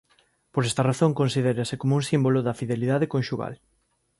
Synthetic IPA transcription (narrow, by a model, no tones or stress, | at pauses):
poɾɛst̪ɐraθõŋkonsiðeɾasɪkomʊuŋsimbolʊðɐfiðeliðað̞ekonʃuɣa̰l